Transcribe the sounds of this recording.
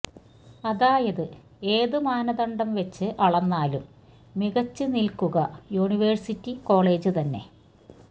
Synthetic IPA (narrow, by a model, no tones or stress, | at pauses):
ɐðaːjɐðɨ | e̞ːðɨmaːnɐðɐɳɖɐmʋet͡ɕːɨʔɐɭɐnːaːlumː | iɣɐt͡ɕːɨnilkuɣɐjuːɳiʋersitːiko̞ːɭe̞ːd͡ʑɨt̪ɐnːe̞̰